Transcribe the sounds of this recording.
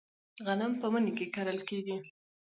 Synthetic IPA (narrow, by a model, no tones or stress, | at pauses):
ɣanəmpəmənkekaɾəlkeɡi